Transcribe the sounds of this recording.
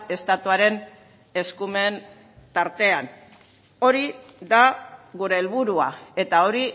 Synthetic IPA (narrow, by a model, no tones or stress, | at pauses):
e̞st̪at̪uaɾe̞n | e̞skume̞n | t̪aɾt̪e̞an | o̞ɾiðaɣuɾe̞ːlβuɾua̰e̞t̪ao̞ɾi